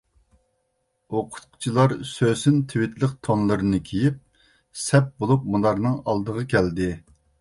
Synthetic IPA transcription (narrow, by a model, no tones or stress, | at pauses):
oqʰʊ̥t̪̚qʰʊ̥t͡ʃʰilˠɑɾsøsynt̪ʰwɪt̪lˠəqt̪ʰonlˠɨɾɨnɨkʲʰejip̚ | sɛp̚bolˠup̚munlˠɑɾnɨŋɑlˠd̪əʁɑkʲʰæld̪ɪ